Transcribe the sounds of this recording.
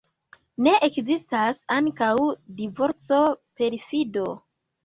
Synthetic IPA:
ne̞ʔekzistasaŋkawdivo̞ɾt͡so̞pe̞ɾifido̞

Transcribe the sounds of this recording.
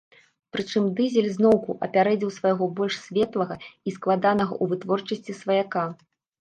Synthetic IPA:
pɾɨt͡ʂɨmd̪ɨzʲɛlʲznɔwkuʔɐ̰pʲaɾɛd͡zʲɛwsvɐjɣɔbɔlʲʂsʲvʲɛt̪lˠɐɣɐisklˠad̪anɐɣɐ̰ʔuvɨt̪vɔrt͡ʂɐsʲt͡sʲisvɐjaka

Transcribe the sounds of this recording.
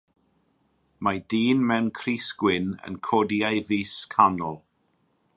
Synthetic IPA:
madiːnmɛwnkʰriːsɡ̥wɪnə̰nkʰɔdiajviːskʰanɔlˠ

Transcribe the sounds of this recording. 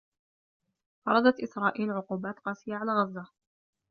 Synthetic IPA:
fɑɾˤɑd̪ɑt̪ʔɪsɾˤɑːʔiːlʕʊquːbaːt̪qɑːsɪjːaʕalaːɣɑzːa

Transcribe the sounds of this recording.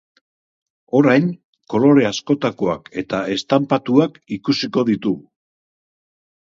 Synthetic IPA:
o̞ɾajn | ko̞lo̞ɾe̞asko̞t̪ako̞a̰ke̞t̪ae̞st̪ampat̪uakikusiko̞ðit̪uu

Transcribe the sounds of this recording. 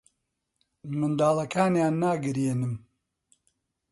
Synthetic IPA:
mɨnd̪aːlɐkʰaːnjaːnːaːɡɨɾjeːnɨm

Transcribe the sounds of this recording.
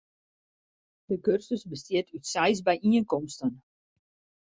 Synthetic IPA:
d̥əkørsəsbəstiətʰytsɛjs̬bɛjʔiənkɔmstən

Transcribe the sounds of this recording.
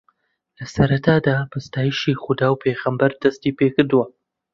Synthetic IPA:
lɐsɐɾɐt̪ʰaːd̪aːbɨst̪aːjiʃiːxʊd̪aːwpʰeɣəmbɐɾd̪ɐst̪ipeːkɨɾd̪uwɐ

